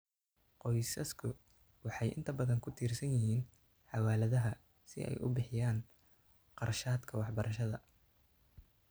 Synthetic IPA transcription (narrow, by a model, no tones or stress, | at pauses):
qɔjsɐskʰʊ | wɑħɑjʔɪ̰nt̪ʰɐbɐðɐŋkʰʊt̪ʰiːrsɐnjɪɦiːn | ħɑwaːlɐðɐɦɐ | sɪ̰ɛ̰jʔʊ̰bɪħɪjaːn | qɑrʃaːd̪kʰɐwɑħbɐɾʔɐʃɐðɐ